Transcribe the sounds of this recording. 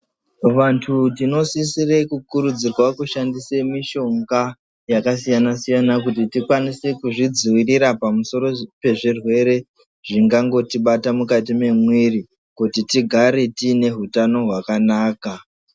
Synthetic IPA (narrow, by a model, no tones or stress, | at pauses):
ʋantʰutino̞sisirekukuɾud͡zirwakuʃandisemiʃo̞ŋɡa | jakas̬ijanasijanak̬ut̬itikwanisekuʐid͡ziwiriɾapamuso̞ɾo̞pe̞ʐirwe̞ɾe̞ | ʐiŋɡaŋɡo̞tiɓatamukat̬ime̞mwiri | kutitiɡʱaɾetine̞ɦutano̞ɦwakanaːka